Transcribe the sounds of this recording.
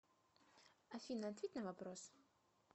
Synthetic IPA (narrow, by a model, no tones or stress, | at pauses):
afʲinɐːt̪vʲet̪ʲnɐvapɾos